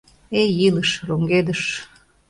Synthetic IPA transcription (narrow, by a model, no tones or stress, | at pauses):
ejiləʃroŋɡed̪əʃ